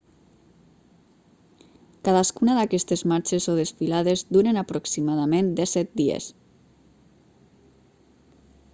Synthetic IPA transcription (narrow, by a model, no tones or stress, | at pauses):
kaðaskunaðakɛst̪ezmaɾt͡ʃezoðesfilaðezd̪uɾenapɾoksimaðamend̪ɛsɛt̪̚d̪iḛs